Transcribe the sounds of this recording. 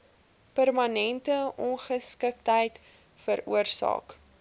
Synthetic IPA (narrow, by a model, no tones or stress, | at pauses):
pərmɐnɛntəʔɔnχəskək̚tɦəjt | fəɾṵərsɑ̰ːk